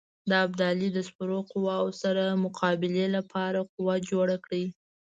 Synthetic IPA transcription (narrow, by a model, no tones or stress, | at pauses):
d̪əab̚d̪ɑlid̪əspʊɾoqʊwɑwosaɾamʊqʰɑbɪlelapʰɑɾaqʊwad͡ʒoɽakɽi